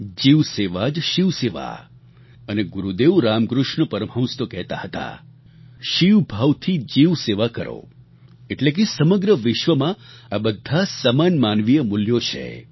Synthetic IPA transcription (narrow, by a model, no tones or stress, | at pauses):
d͡ʒiʋseʋad͡ʒʃiʋseʋa̰ | əneɡuɾud̪eʋɾamkɾʊʃɳəpəɾəmɦə̃w̃st̪okɛɦt̪a̰hət̪a̰ | ʃiʋbʱaʋt̪ʰid͡ʒiʋseʋakəɾo̰ | eʈlek̬esəməɡɾəʋɪʃʋəmãabəd̪ʱːasəmanmanʋijəmuljot͡ʃʰḛ